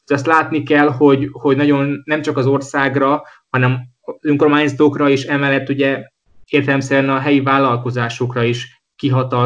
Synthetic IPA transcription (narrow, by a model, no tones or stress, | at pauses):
ɒst̪laːt̪nikɛlɦo̞ɟhoɟnɒɟo̞nːɛmt͡ʃɒkɒzo̞rsaːɡrɒ | hɒnɛm | zøŋko̞rmaːɲzt̪oːkrɒiʃɛmɛlːɛt̪ːuɟɛ | eːrt̪ɛlɛmsɛɾɛnɒɦɛjivaːlːɒlko̞zaːʃo̞krɒiʃ | kiɦɒt̪ɒ